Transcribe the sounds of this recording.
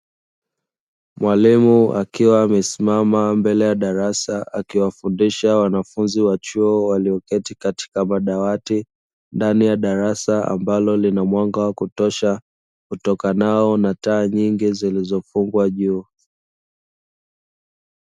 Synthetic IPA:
mwalimuakiwaːmɛsimamambɛlɛjaɗaɾasaakiwafundiʃawanafunziwat͡ʃuɔwaliɔkɛtikati̥kamaɗawati | ndanijaɗaɾasaa̰mbalɔlinamwaŋɡawakutɔʃa | kutɔkanaɔnataːɲiŋɡizilizɔfuŋɡwaʄuː

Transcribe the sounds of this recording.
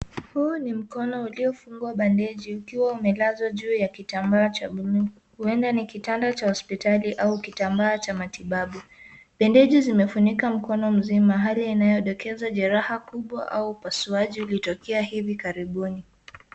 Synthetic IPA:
huːnim̩kɔnɔuliɔfuŋɡwaɓɛndɛʄiukiwaumɛlazwaʄuːjakitambaːt͡ʃaɓu | huɛndanikitandat͡ʃahɔspitaliʔaukitambaːt͡ʃamatiɓaɓu | ɓɛndɛʄizimɛfunikam̩kɔnɔm̩zimaɦaliinajɔɗɔkɛzaʄɛɾahakuɓwa̰ʔa̰uːpasuaʄiulitɔkɛahivikaɾiɓuni

